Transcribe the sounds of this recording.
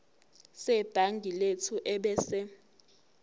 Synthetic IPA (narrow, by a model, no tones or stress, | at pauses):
sɛb̥ʱaŋɡʱiletʰuʔɛɓɛːsɛ